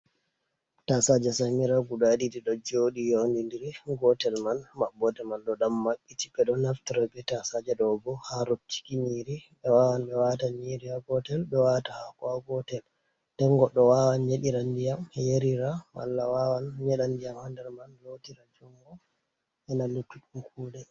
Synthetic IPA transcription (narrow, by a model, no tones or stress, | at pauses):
tasad͡ʒɛsamiɾaɡuɗaɗidiɗɔd͡ʒoɗijonindiɾɡɔtɛlmanmabːɔdɛmanɗɔɗamːaɓːiti̥bɛɗɔnaftiɾabɛtasad͡ʒɛɗɔbɔhaɾob̚ti̥kiɲiɾiɓɛwawanɓɛwataɲiɾihaɡɔtɛlɓɛwatahakɔaɡɔtɛl | d̥ɛŋɡɔɗɔwawanɲeɗiɾandijamhɛjeɾiɾama̰lːawawanɲɛɗandijamhandɛɾmanlotiɾad͡ʒɔŋɡɔ | ɛnalutːuɗumkʰuːdɛ